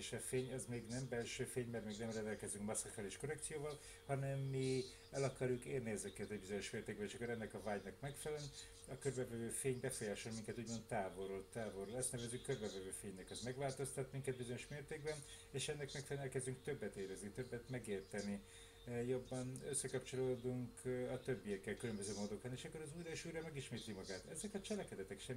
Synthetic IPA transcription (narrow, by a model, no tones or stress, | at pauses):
eʃɒfeːɲɛzmeːɡnɛmbɛlʃøːfeːɲmɛrt̪meːɡnɛmrɛnd̪ɛlkɛzyŋkmɒsːɒkɛleːʃko̞ɾɛk̚t̪sijoːvɒl | hɒnɛmːi | ɛlɒkɒɾjukeːrniɛzɛkɛt̪ɛɟbizo̞ɲo̞ʃmeːrt̪eːɡ̚bɛneʃɒkːoɾɛnːɛkɒvaːɟnɒkmɛkfɛlɛln | ɒkørbɛvɛvøːfeːɲbɛfo̞jaːʃolmiŋkɛt̪uːɟmo̞nt̪ːaːvo̞ɾot̪ːaːvo̞ɾolɛst̪nɛvɛzykørbɛvɛvøːfeːɲnɛkɒzmɛɡvaːlt̪o̞st̪ɒt̪miŋkɛd̪̚bizo̞ɲo̞ʃmeːrt̪eːɡ̚bɛn | eːʃɛnːɛkmɛkfɛlɛnɛkɛzd̪yŋk̚t̪øbːɛt̪eːɾɛznit̪øbːɛt̪mɛɡeːrt̪ɛni | jo̞bːɒnøsːɛkɒpt͡ʃo̞loːd̪uŋkʰɒt̪øbːijɛkːɛlkylømbø̞zøːmoːd̪okɑneːʃɒkːo̞ɾɒzuːjɾɛʃuːjɾrɒmɛɡiʃmeːt̪limɒɡaːt̪ɛzɛkɒt͡ʃɛlɛkɛd̪ɛt̪ɛkʃɛm